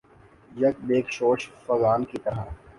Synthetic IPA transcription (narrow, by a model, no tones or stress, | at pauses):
jɐk̚beːkʃoːt͡ʃfɐzaːnkit̪ɐɾa